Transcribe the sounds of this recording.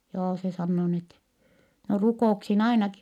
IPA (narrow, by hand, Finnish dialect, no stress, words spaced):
joː se sɑnːoː n etːɛ no rukoˑuksin ɑinɑki